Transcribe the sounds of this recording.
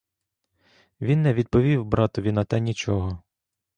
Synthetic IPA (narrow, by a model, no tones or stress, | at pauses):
ʋʲinːɛʋʲid̪̚pɔʋʲiwbɾɑt̪ɔʋʲinɐt̪ɛnʲit͡ʃɔɦɔ